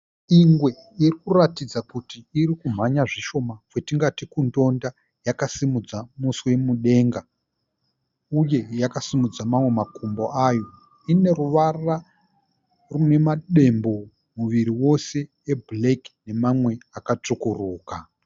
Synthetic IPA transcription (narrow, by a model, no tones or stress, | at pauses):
iŋɡwe̞ | irikuratid͡zakutiːɾikum̤aɲaʐiʃo̞makwetiŋɡatikundo̞nda | jakasimud͡zamuswemuɗe̞ːŋɡa | uje̞jakasimud͡zamamwe̞makʰumbo̞ajo̞ | ine̞ɾuʋara | rune̞maɗe̞mbo̞ | muʋiɾiwo̞se̞ːbleki̥ne̞mamwe̞akat͡ʂukuruːka